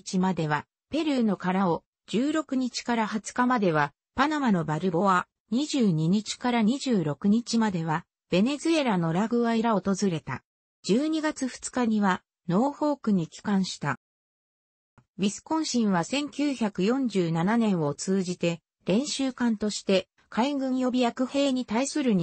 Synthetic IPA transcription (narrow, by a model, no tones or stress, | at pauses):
t͡ɕimad̪e̞βa | pe̞ɾɯ̟no̞kaɾao̞ | d͡ʑɨːɾo̞kɯ̟ɲ̟it͡ɕi̥kaɾahat͡sɨ̥kamad̪e̞β̞a | panamano̞baɾɯ̟bo̞a | ɲ̟iʑɨːɲ̟iɲ̟it͡ɕi̥kaɾaɲ̟iʑɨːɾo̞kɯ̟ɲ̟it͡ɕimad̪e̞β̞a | b̥e̞ne̞zɨe̞ɾano̞ɾaɡɯ̟βaiɾaot̪o̞zɨɾe̞t̪a̰ | d͡ʑɨːɲ̟iɡat͡sɨɸɯ̟̥t͡sɨ̥kaɲ̟iβa | no̞ːɸo̞ːkɯ̟ɲ̟ikʲi̥kãɰ̃ɕi̥t̪a | bʲisɨ̥kõ̞ɰ̃ɕĩɰ̃βasẽ̞ŋkʲɨːçakɯ̟jõ̞ɲ̟d͡ʑɨːnananẽ̞ɰ̃o̞t͡sɨːʑit̪e̞ | ɾẽ̞ɰ̃ɕɨːkãnt̪o̞ɕi̥t̪e̞ | kʰaiɡɯ̟̃ɰ̃jo̞bʲijakɯ̟he̞ːɲ̟it̪aisɨɾɯ̟ɲ̟i